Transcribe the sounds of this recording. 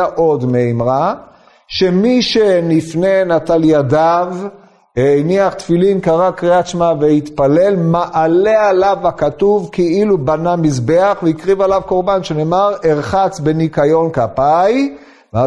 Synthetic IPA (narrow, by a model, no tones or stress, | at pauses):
aʔo̞d̪meimʁa | ʃe̞miʃenifne̞nat̪aljad̪av | niaχt̪filinkaʁakʁiat͡ʃmaveit̪pale̞lmaʔalealavakat̪uvkeʔilubanamizbeaχveikʁivalavko̞ʁbanʃeneːmaʁeʁχat͡sbenikajo̞nkapaj | va